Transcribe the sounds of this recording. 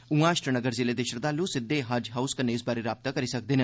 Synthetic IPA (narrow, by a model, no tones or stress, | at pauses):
ũːãːʃʈɾənəɡəɾzeːleːd̪eːʃəɾd̪aːluːsɪd̪ːeːɦad͡ʒɦaːʊskənːeːɪsbaːɾeːɾaːb̚t̪aːkəɾiːsək̚d̪eːnẽː